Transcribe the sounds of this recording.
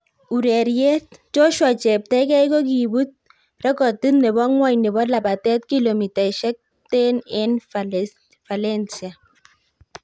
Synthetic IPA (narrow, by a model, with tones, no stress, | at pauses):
u˨ɾɛ˨ɾje˦t̚t͡ʃo˦ʃwɔ˨t͡ʃɛ˨p̚tɛ˦kɛ˦jko˦k̬i˨bu˦t̪̚ | rɛ˦kɔ˨ti˦tnɛ˨bɔ˦ŋwa˦jnɛ˨bɔ˦la˨ba˨t̪ɛ˦t̚ki˦lo˨mi˨ta˨ʃɛ˦k̚ | te˦nɪ˦n | fa˨lɛ˦nsia˨